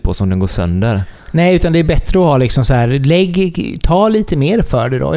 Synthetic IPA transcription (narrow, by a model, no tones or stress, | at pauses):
pʰɔsɔmd̪ɛnɡoːʂœ̰nd̪əɾnɛːʉ̟ːt̪and̪ɛæɾbɛt̪ːɾəɔhɑːlɪksɔmsɔhæːɾlɛɡːt̪ʰɑːliːt̪əmeːɾfœːɖɛd̪ɔ̰